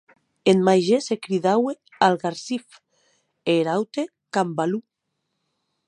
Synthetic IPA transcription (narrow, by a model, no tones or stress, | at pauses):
enmajʒesekɾiðawe | alɣaɾsif | eːɾawt̪e | kambalu